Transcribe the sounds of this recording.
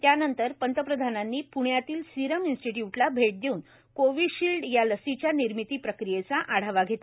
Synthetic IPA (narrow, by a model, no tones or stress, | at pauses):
t̪janənt̪əɾpənt̪əpɾəd̪ʱananːiːpuɳjat̪iːlsiɾəminsʈiʈjuʈlabʱeʈ̚d̪euːn | koʋiɕilɖjaləsit͡ɕjaniɾmit̪iːpɾəkɾijet͡saʔaɽ̤aʋaɡʱet̪a